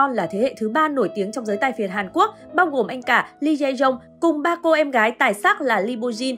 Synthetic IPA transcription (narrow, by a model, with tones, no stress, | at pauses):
ɔ˧nlaː˨˩t̪ʰe˨˦hḛ˧˨t̪ʰɨ˨˦ɓaː˧no˧˩jt̪i˨˦əŋt͡ɕɔ˧wŋ͡mzəː˨˦jt̪a˧jfi˨˩ət̚haː˨˩nku˦˥ək̚ɓaː˧wɣo˨˩mʔa˧jŋ̟kaː˧˩li˧zɛ˧jzə˧wŋ͡m | kʊ˨˩ŋ͡mɓaː˧ko˧ʔɛ˧mɣaː˨˦jt̪aː˨˩jsaː˦˥k̚laː˨˩li˧ɓo˧zi˧n